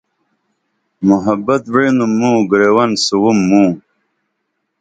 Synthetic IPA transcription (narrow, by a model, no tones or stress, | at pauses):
muɦabɐt̪wenumːũɡɾewɐnsuwumːũː